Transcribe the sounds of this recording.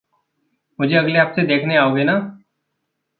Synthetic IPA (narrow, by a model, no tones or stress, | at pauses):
mʊd͡ʒʱeɐɡleɦaːpsed̪eːkʰneaːoːɡenaː